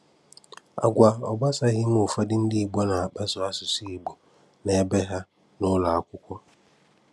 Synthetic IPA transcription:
a̰˨ɡʷa˨ɔ˨ɡ͡ba˦sa˦ɣɪ˦m˦ʊ˨fa˦dɪ˦n̩˦dɪ˦˨ɡ͡bɔ˦na˨a˨k͡pa˦sʊ˨a˦sʊ˨si˦i˨ɡ͡bo˨ | na˨a˦bɛ˦ɦa˦ | nʊ˦la˨a˨kʷʊ˦kʷɔ˦

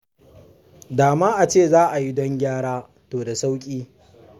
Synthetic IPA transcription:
daː˨maː˦ʔa˨t͡ʃeː˦˨zaː˦ʔa˨ji˦dɔ˦ŋɡʲaː˦ɽaː˦ | toː˨da˨sa˦wkʲʼiː˦

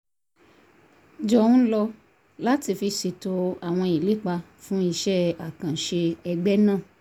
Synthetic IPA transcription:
d͡ʒɔ˨ũ˦lɔ˧ | la˦ti˧fi˧ʃe˨to˧a˨w̃ɔ̃˧i˨le˨˦k͡pa˧ | fũ˦i˧ʃɛ˦a˨kã˨ʃe˧ɛ˧ɡ͡bɛ˦nãː˦˨

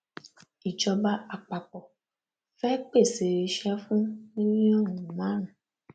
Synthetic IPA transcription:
i˨d͡ʒɔ˧ba˦a˨k͡pa˨k͡pɔ˨ | fɛ˦k͡pe˦˨se˨ɾe˧ʃɛ˦fũ˦nĩ˦ɲĩ˦ɔ˦˨wu˨ũ˨mã˨˦nũ˨

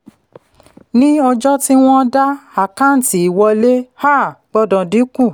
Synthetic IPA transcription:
nĩ˦ɔ˧d͡ʒɔ˦ti˦w̃ɔ̃˦da˦a˦˨kã˨˦n̩˨ti˨i˨wɔ˧le˦ha˦˨ɡ͡bɔ˦dɔ̃˨di˨˦kũ˦˨

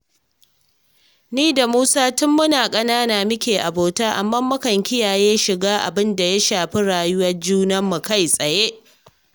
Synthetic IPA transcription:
niː˦da˨muː˦saː˦tʊ˦mːʊ˦naː˨kʼɐ˦naː˦naː˨mɪ˦kʲeː˨ʔa˨boː˨taː˦ʔa̰˨mːɐ˦mːɐ˦kɐ˨ŋkʲɪ˦jaː˨jeː˦ʃɪ˨ɡaː˦ʔa̰˨bɪ˦nda˨ja˦ʃaː˨ɸi˦ɽaː˨jʊ˦wɐ˦rd͡ʒuː˦nɐ˦mːu˨ka˦jsʼɐ˨je˦ʔ

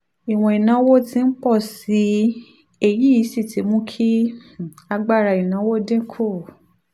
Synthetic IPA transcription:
i˨w̃ɔ̃˧i˨nã˨˦wo˦tĩ˧˦n̩˦k͡pɔ˦˨si˨˦ | e˧ji˦i˨˦si˦˨tʰi˨˦mũ˦kʰi˦ | a˧ɡ͡ba˦˨ɾa˨i˨nã˨˦wo˦dẽ˦kʰo˦˨

